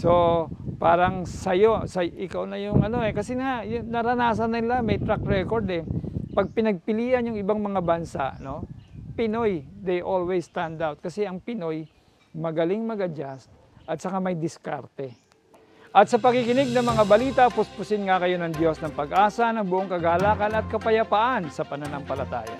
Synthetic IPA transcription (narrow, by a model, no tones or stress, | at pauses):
sopaːɾɐŋsɐjo̞sɐʔɪkawnɐjʊŋʔɐno̞ɛkɐsɛajʊnɐɾɐnaːs̬ɐnːɪlamɐjt̪ɾak̚ɹɛkoɾd̪ɛpɐɡ̚pɪnɐɡ̚pɪliːʔɐnjʊŋɪbaŋmɐŋabɐnsa̰ʔno̞pɪnojd̪ɛjʔolwɛssːt̪and̪awt̪̚kɐsɛɐŋpɪno̞j | mɐɡɐlɪŋmɐɡɐd͡ʒast̪̚ | ʔɐt̪̚t͡ʃɐkamɐjd̪ɪska̰ɾt̪ɛ | ʔɐt̪sɐpɐkɪkɪnɪɡ̚nɐŋmɐŋabɐliːt̪ɐpʊspʊsɪnŋakɐjo̞nɐŋd̪jo̞snɐŋpɐɡʔaːsɐnɐŋbʊʔoŋkɐɡaːlaːkɐnɐt̪̚kɐpɐjɐpaʔansɐpɐnɐnaŋpɐlɐt̪a̰ːja̰